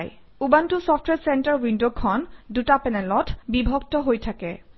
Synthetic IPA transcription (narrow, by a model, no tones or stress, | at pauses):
j | ubantusɔfʰtʰwɛɹsɛntaɹwindokʰɔndutapɛnɛlɔtʰbibʱɔktɔɦojtʰakɛ